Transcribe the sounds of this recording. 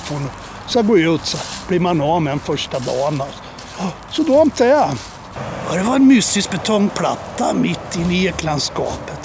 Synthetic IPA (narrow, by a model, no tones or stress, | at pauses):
funɔ | saɡoːjʉ̟ːt̪sab̥liːɾmanɔːmɛnfœʂʈad̪ɑ̰ːnas | sɔd̪ɔɔmt̪ʰɛa | jɑd̪ɛvaɾɛnmʏst̪ɪsk̚bɛt̪ʰɔŋːpʰla̰t̪ːamɪt̪ːɪnːɪeklanskɑ̰ːpət̪